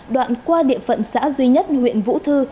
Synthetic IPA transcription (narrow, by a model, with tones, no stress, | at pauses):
ɗwa̰ː˧˨nkwaː˧ɗḭ˧˨əfə̰˧˨nsa̰ː˧˥zwi˧ɲə˦˥t̚hwḭ˧˨ənvṵ˧˥t̪ʰɨ˧